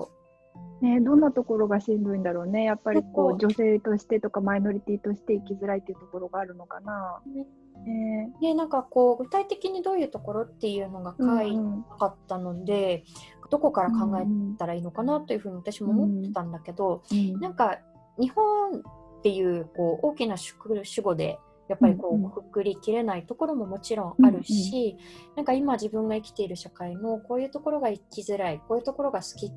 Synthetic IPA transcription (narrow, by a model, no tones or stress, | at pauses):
o̰ | ned̪õ̞nːat̪o̞ko̞ɾo̞ɡaɕĩnd̪oĩnd̪aɾo̞ːne̞japːaɾʲiko̞ːd͡ʑo̞se̞ːt̪o̞ɕi̥t̪e̞t̪o̞kamaino̞ɾʲit̪ʲiːt̪o̞ɕi̥t̪e̞ikʲizɨɾait̪ːeɯ̟t̪o̞ko̞ɾo̞ɡaːɾɯ̟no̞kana | nejenãŋkako̞ːɡɯ̟̥t̪ait̪e̞kʲiɲ̟id̪o̞ːjɯ̟ːt̪o̞ko̞ɾo̞t̪ːe̞jɯ̟ːno̞ɡakaiakat̪ːano̞d̪e̞d̪̥oko̞kaɾakãŋɡae̞t̪aɾaiːno̞kanat̪ːojɯ̟ɸɯ̟ɲ̟iβat̪aɕimo̞ːmo̞t̪ːe̥t̪ãnd̪ake̞d̪o̞nãŋka | ɲ̟ihõ̞nt̪ːe̞jɯ̟ːko̞ːʔo̞ːkʲinaɕkɯɕɨɡo̞d̪e̞̰ | japːaɾʲiko̞ːko̥kɯ̥kɯ̟ɾʲikʲiɾe̞nait̪o̞ko̞ɾo̞mo̞mo̞t͡ɕiɾõ̞ɰ̃aɾɯ̟ɕinãŋkaimaʑibɯ̟̃ŋɡaikʲi̥t̪e̞iɾɯ̟ɕakaimo̞ko̞ːjɯ̟ːt̪o̞ko̞ɾo̞ɡaikʲizɨɾaiko̞ːjɯ̟ːt̪o̞ko̞ɾo̞ɡasɨ̥kʲi